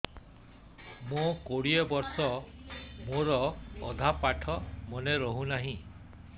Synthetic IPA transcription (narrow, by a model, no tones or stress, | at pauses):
mõkoɽiɔbɔɾsɔ | moɾɔ̰ːd̪ʱapaʈʰɔmɔneɾɔɦũnaɦĩ